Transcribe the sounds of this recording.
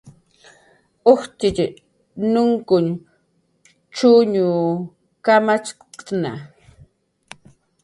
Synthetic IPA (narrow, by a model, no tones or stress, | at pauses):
oht̪ɪt͡ʃɪ | nʊŋkʊn | t͡ʃʊɲuː | kamat͡ʃkna̰